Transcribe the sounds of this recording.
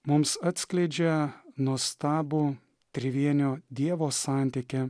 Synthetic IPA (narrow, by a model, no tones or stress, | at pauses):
mʊmsɑt̪ʲsʲklʲɛɪd͡ʒʲɛnuɔst̪ɑːbuː | t̪ʲɾʲɪʋʲiɛnʲoːd̪ʲiɛʋoːsɑːˑnʲt̪ʲɪkʲe